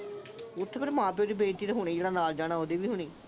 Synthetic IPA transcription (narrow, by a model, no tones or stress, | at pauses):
ʊt̪ʰːpəɾmãːpjoːd̪iːbeːʈiːd̪əɦʊɽ̃iːd͡ʒeːɽaːnaːld͡ʒaːɽ̃aːɦoːd̪iːʋiːɦʊɳ̃iː